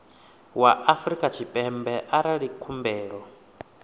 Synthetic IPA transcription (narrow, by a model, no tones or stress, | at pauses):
waʔafɾikʼat͡ʃʰipʼɛmbɛʔaɾaɺikʰumbɛːɺɔ